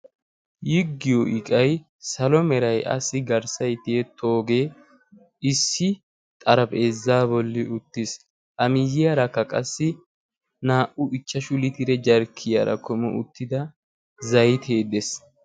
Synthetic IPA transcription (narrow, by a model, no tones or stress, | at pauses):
jɪɡːɪjɔʔɪkʼɐj | sɐlɔmɛɾɐjʔɐ̰sːɪɡɐɾsɐjt̪eet̪ʰo̞ːɡeː | ɪsːɪ | t̪ʼɐɾɐpeːzːaːbɔlːɪʊt̪ːɪs | ʔɐmɪjːɪjɐɾɐkːɐkʼɐsːɪ | naːʔʊʔɪt͡ʃːɐʃʊlɪt̪ɪɾɛd͡ʒɐɾkʰːɪja̰ɾɐ̰kɔmɔ̰ʊ̰t̪ːɪd̪ɐ | zɐjt̪ʰeːd̪es